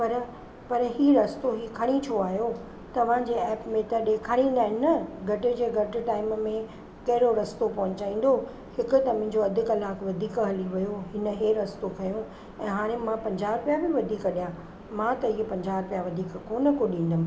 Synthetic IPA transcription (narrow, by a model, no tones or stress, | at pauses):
pɐɾ | pɐɾɦiːɾɐst̪oɦiːkʰɐɽ̃it͡ɕʰoaːɦjo | t̪ɐʋ̤ãd͡ʑeɛːpmẽt̪ɐɗeːkʰaɽ̃ĩːnd̪aːɦɪnɐɡʱɐʈɪ̆d͡ʑeːɡʱɐʈɪ̆ʈaːɪmmẽ | kɐɦɪɾoɾɐst̪opɐɦʊ̃ɲt͡ɕaːĩːn̆d̪o | hɪkʊ̆t̪ɐmɛ̃ɪ̃ɲ̆d͡ʑoɐd̪ʱɪkɐlaːkʋɐd̪ʱiːkɦɐliʋɐjoɦɪnəɦeɾɐst̪okʰɐjõ | ɛ̃ːɦaːɽ̃ẽmãpɐ̃ɲd͡ʑaːpijabiʋɐd̪ʱiːkɗijã | mãt̪ɐɦiːpɐ̃ɲd͡ʑaːɾpijaʋɐd̪ʱiːkkoːnə̆koɗĩːnd̪əm̆